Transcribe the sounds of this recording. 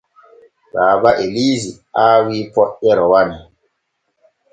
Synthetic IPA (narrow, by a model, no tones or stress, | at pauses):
baːbaʔeliːzi | aːwiːpɔɗɛɾɔwani